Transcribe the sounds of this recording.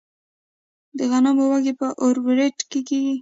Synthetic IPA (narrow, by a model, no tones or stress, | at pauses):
d̪əɣanamowaɡepəʔoɾbɪɾeʈkekeɡi